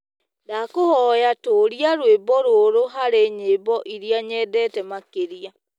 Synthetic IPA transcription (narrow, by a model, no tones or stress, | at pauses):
dakohɔjatoːɾiaɾwebɔɾoːɾoɦaɾeɲeːbɔʔiɾiaɲɛːdɛːtɛmakeɾia